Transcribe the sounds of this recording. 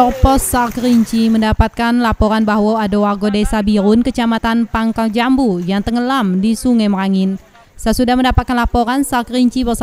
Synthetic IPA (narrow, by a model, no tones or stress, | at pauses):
tɔrpɔsːarkɾiɲt͡ʃiməndapat̪̚kanlapoɾanbaɦwaadowarɡodesabiɾʊnkət͡ʃamat̪anpaŋkald͡ʒambujaŋt̪əŋəlamdisuŋɛmraŋɪn | səsudahməndapat̪̚kanlapoɾansarkɾiɲt͡ʃibərsa